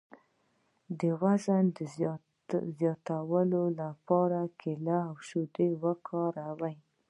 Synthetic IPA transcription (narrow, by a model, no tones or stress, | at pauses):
d̪əwazand̪ə | zjɑt̪awəlolapɑɾakʰɪlaːwʃud̪ewəkʰɑɾawaj